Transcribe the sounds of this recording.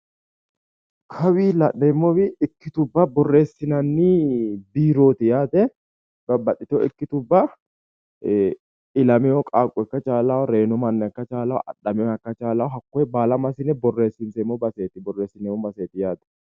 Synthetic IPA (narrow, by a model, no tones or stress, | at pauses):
kʰɐwiːlɐʔɛmːɔwɪɪkːɪt̪ʊbːɐbɔrːe̞ːsːɪnɐnːibiːɾo̞ːt̪ɪjaːt̪ɛ | b̥ɐbːɐtʼːɪt̪ɔɪkːɪt̪ʊbːɐ | ɪlɐmɛɔkʼaːkʼːɔkːɐt͡ʃʼaːlɐwɔɾe̞ːnɔmɐnːɛɐkːɐt͡ʃʼaːlɐwɔ̰ʔɐ̰ɗːɐmɛɐkːɐt͡ʃʼaːlɐwɔɦɐkːɔɛbaːlɐmɐsɪnɛbɔrːe̞ːsːɪnsɛmːɔbɐse̞ːt̪ɪbɔre̞ːsɪnɛmːɔbɐseːt̪ɪjaːt̪ɛ̥